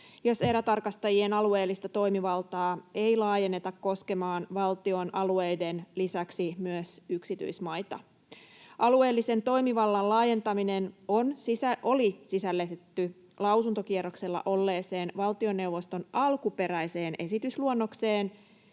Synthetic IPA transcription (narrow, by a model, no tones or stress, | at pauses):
jo̞se̞ɾæt̪ɑrkɑst̪ɑjie̞nɑlue̞ːlːist̪ɑt̪o̞jmiʋɑlt̪ɑːe̞jlɑːje̞nːet̪ɑkkːo̞ske̞mɑːnʋɑlt̪io̞nʔɑlue̞jde̞nlisæksimyøsyksit̪y̰ismɑjt̪ɑ̰ | ʔɑlue̞ːlːise̞nt̪o̞imiʋɑlːɑnlɑːje̞nt̪ɑmine̞nonsisæʔo̞lisisælːet̪et̪ːy | lɑwsunt̪o̞kieɾokse̞lːɑ̰ʔo̞lːe̞ːse̞ːnʋɑlt̪io̞nːe̞wʋo̞st̪o̞nʔɑlkupe̞ɾæjse̞ːnʔe̞sit̪ysluonːo̞kse̞ːn